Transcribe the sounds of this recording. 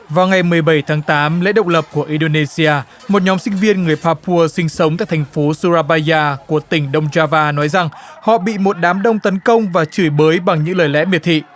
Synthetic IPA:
vaː˨˩wŋa˨˩jmɨ˨˩əjɓə˧˩jt̪ʰaː˨˦ŋt̪aː˨˦mlḛ˧˥ɗə̰˧˨wŋ͡mlə˨˩p̚ku˧˩əʔi˧nɗo˧ne˧si˧aː˧ | mo˨˩t̚ɲɔ˨˦msï˧ŋ̟vi˧ənŋɨ˨˩əjpaː˧pu˧əsï˧ŋ̟sə˨˦wŋ͡mt̪aː˧˨jt̪ʰa˨˩ŋ̟fo˨˦su˧zaː˧ɓaː˧zaː˧ku˧˩ət̪ï˧˩ŋ̟ɗə˧wŋ͡mzaː˧vaː˧nɔ˨˦jza˨˩ŋhɔ̰˧˨ɓḭ˧˨mo˨˩t̚ɗaː˨˦mɗə˧wŋ͡mt̪ə˨˦nkə˧wŋ͡mvaː˨˩t͡ɕɨ˧˩jɓəː˨˦jɓa˨˩ŋɲɨ̰˧˥ŋləː˨˩jlɛ̰˧˥mi˨˩ət̪ʰḭ˧˨

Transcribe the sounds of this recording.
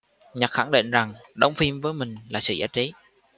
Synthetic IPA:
ɲə˨˩xa˧˩ŋɗḭ˧˨nza˨˩ŋɗə˨˦wŋ͡mfi˧mvəː˨˦jmï˨˩ŋ̟laː˨˩sɨ̰˧˨zaː˨˦˥t̚t͡ɕi˨˦

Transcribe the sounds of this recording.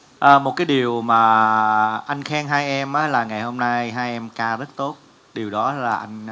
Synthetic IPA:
ʔəː˨˩mo˨˩t̚kaː˨˦jɗi˨˩əwmaː˨˩ | ʔa˧jŋ̟xɛː˧ŋɦaː˧jʔɛ˧mʔaː˨˦laː˨˩ŋa˨˩jho˧mna˧jɦaː˧jʔɛ˧mkaː˧zə˦˥t̚t̪o˦˥t̚ | ɗi˨˩əwɗɔ˨˦laː˨˩ʔa˧jŋ̟

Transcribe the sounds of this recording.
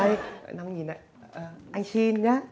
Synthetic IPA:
j̰na˧ŋ͡mɲi˨˩na̰˧˨j | ʔəː˨˩ʔa˧jŋ̟si˧nɲaː˦

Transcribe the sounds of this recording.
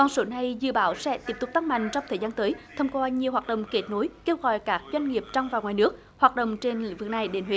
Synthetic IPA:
kɔ˨˩nso˨˦na˨˩jzɨ̰˧˨ɓaː˨˦wsɛ̰˧˥t̪i˦˥əp̪̚ʊ˨˩k͡p̚t̪a˦˥k̚ma̰˧˨jŋ̟t͡ɕɔ˧wŋ͡mt̪ʰəː˨˩jzaː˧nt̪əː˨˦jt̪ʰə˧wŋ͡mkwaː˧ɲi˨˩əwhwaː˨˩t̚ɗə̰˨wŋ͡mke˦˥t̚no˨˦jke˧wɣɔ̰˧˨jkaː˦˥k̚zwa˧jŋ̟ŋi˨˩əp̚t͡ɕɔ˧wŋ͡mvaː˨˩wŋwaː˨˩jnɨ˦˥ək̚ | hwaː˨˩t̚ɗə̰˨wŋ͡mt͡ɕe˧nlḭ˧ŋ̟vɨ˨˩k̚na˨˩jɗe˨˦nɦwi˨˦

